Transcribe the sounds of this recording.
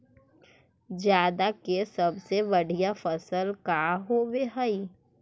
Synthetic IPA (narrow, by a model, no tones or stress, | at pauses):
d͡ʒjaːd̪akesɐbsebɐɽ̤ijafəsəlkaɦoʋeɦəi